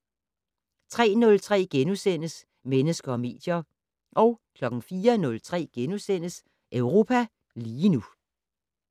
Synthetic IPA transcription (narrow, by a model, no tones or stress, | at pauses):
t͡sʰʁɛ̰ːnɔ̽lt͡sʰʁɛ̰ːɡ̥enusen̰əs | menəsɡ̥ɐɒ̽me̝̰ːd̥jɐ | ʔɒ̽ʊkʰlɒ̽ɡ̥n̩fiːɐnɔ̽lt͡sʰʁɛ̰ːɡ̥enusen̰əs | ʔøʊʁo̝ːpʰæ | liːnu